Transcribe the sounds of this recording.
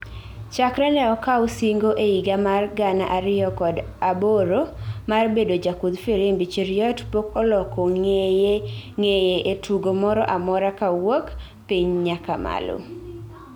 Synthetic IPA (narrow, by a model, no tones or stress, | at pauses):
t͡ʃakɾɛnɛɔkausiŋɡoʔeiɡamarɡanaʔaɾɪjɔkɔd | aboɾomarbedod͡ʒakud̪fiɾimbit͡ʃiɾɪjɔtpokɔlɔkɔŋe | ŋejeʔetuɡomɔɾɔʔamɔɾakawok | piɲɲakama̰lo̰